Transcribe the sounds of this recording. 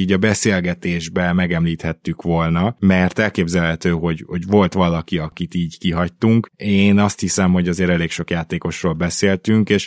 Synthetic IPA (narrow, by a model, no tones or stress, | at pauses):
iːɟɒbɛseːlɡɛt̪eːʒbɛmɛɡɛmliːt̪hɛt̪ːykʋo̞lnɒmɛrt̪ɛlkeːbzɛlɦɛt̪øːɦo̞ɟho̞ɟʋo̞lt̪ʋɒlɒkiɒkit̪iːɟkiɦɒc̚t̪uŋkeːnɒst̪hisɛmho̞ɟɒzeːɾɛleːkʃo̞kjaːt̪eːko̞ʃroːlbɛseːlt̪yŋkeːʃ